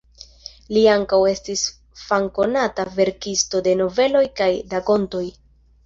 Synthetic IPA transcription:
liaŋkawe̞stis | faŋko̞natave̞ɾkisto̞de̞no̞ve̞lo̞jkajdako̞nto̞j

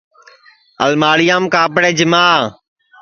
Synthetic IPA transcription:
ə̰lmaːɽɪjaːmkaːpɽeːd͡ʒɪmaː

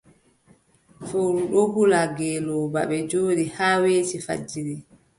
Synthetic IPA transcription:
fowɾuɗɔhulaɡɛːlɔba̰ɓɛd͡ʒoːɗihaːweːtifa̰d͡ʒːiɾi

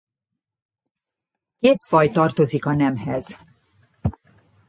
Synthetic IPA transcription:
keːt̪fɒjt̪ɒrt̪o̞zikɒnɛmɦɛz̥

